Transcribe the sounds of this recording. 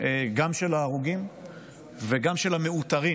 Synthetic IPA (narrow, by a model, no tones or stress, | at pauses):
eɡamʃelaːʁuɡim | veɡamʃelameut̪aʁi